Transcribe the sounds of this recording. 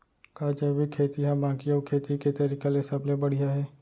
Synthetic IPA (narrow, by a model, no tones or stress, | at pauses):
kaːd͡ʒəbikʰeːt̪iɦãbãːkioːkʰeːt̪iket̪ɐɾikalesɐblebɐɽ̤ijaɦɛː